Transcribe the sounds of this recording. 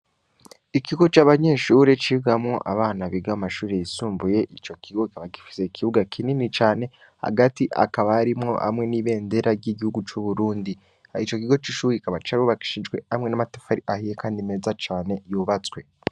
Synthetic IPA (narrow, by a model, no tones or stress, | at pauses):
ikiɡo̞t͡ʃaːβaɲe̞ːʃuːɾe̞t͡ʃiɡamŋo̞ʔa̰βaːnaβiɡaamaʃuːɾe̞jisuːmbuje̞ʔit͡ʃo̞kiɡo̞kikaβaki̥fi̥se̞kʰiβuɡakʰininit͡ʃaːne̞ | ha̰ɡatiʔa̰kaβaːɾimŋo̞̰ha̰mŋe̞niβe̞ːnde̞ɾaɾɟiɟihuɡut͡ʃuβuɾuːndi | ait͡ʃo̞kiɡo̞t͡ʃiʃuːɾeikaβat͡ʃaɾuβaki̥ʃid͡ʒɡwe̞hamŋe̞namatḁfaɾiʔahijekaːndime̞zat͡ʃaːne̞juːβat͡swe̞